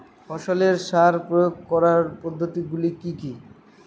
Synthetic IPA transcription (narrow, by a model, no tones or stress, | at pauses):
fɔʃoleɾʃaɾpɾojoɡ̚kɔɾaɾpɔd̪ʱːot̪iɡulikiki